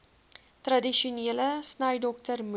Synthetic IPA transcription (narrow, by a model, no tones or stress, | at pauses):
t̪radiʃuneləsnajdɔk̚tərm